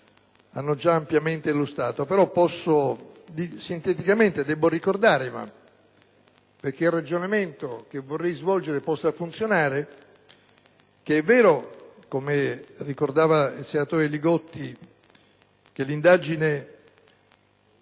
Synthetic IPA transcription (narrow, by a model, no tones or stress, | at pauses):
a̰nːod͡ʒaːmpjament̪elost̪a̰ːt̪opeɾɔpːɔsːod̪isint̪ɛt̪ikament̪ed̪ɛbːorikord̪aːɾema̰ | perk̟eilrad͡ʒonament̪ok̟evorːɛjzvɔld͡ʒeɾepɔsːafunt̪sjonaːɾe | keɛvːɛːɾokomerikord̪aːvailsenat̪oːɾeliɡɔt̪ːi | kelːind̪ad͡ʒine